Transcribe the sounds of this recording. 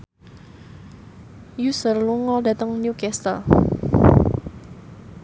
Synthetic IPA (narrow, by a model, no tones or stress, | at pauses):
jusərluŋɔlda̤t̪əŋnjukɛst̪ər